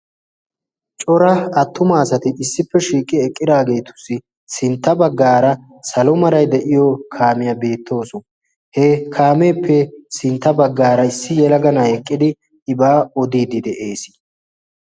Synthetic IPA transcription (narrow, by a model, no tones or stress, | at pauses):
t͡ʃʼɔɾɐɐt̪ːʊmaːsɐt̪ɪɪsːɪpːɛʃiːkʼːɪɛkʼːɪd̪aːɡe̞ːt̪ʊ̥sːɪ | sɪnt̪ːɐbɐɡːaːɾɐ | sɐlɔmɐɾɐjd̪ɛʔɪjɔkʰaːmɪjɐbe̞ːt̪ʰːo̞ːsɔ | hɛkʰaːmeːpʰːɛsɪnt̪ːɐbɐɡːaːɾɐɪsːɪjɛlɐɡɐnɐhɛkʼːɪd̪ɪ | ɪbaːɔd̪iːd̪ɪd̪ɛʔe̞ːsɪ̥